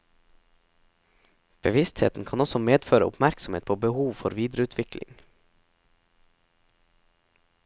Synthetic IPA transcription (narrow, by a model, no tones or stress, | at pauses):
b̥əʋɪst̪hḛːt̪n̩kʰɑːnɔsɔmeːd̪føːɾə̰ʊ̰pmæɾksɔm̩ḛːt̪̚pʰoːbəhuːʋfɔɾʋiːd̪ɾəʉːt̪ʰʋɪklɪ̰ŋ